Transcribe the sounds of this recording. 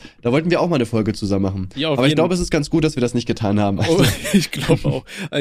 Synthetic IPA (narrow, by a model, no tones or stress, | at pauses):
d̥aːvɔltn̩viːɐʔaʊxmaːlnəfɔlɡət͡suzammːaχn̩aːbɐɪçlaʊbəɛs̬ɪst̚ɡ̥ant͡sɡ̥uːt̚d̥asv̥iːɐdasnɪçt̚ɡ̥ətʰaːnhaːbm̩ʔaɪnɪçɡ̥laʊbəa̰ʊxʔ